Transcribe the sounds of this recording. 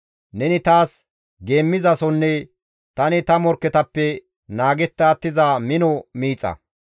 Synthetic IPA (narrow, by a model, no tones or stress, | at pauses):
nɛnɪt̪aːs | ɡe̞ːmːɪzɐsɔnːɛ | t̪ɐnɪt̪ɐmɔɾkːɛt̪ɐpːɛ | naːɡɛt̪ːɐːt̪ːɪzamɪnɔmiːt͡sʼːɐ̰